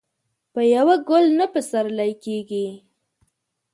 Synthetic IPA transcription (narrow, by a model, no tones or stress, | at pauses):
pəjawaɡʊlnapəsaɾlajkeɡi